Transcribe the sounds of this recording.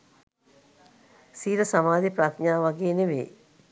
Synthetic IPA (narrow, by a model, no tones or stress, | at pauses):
siːɾəsamaːd̪ipɾat̪ɲaːʋaɡeːneʋḛː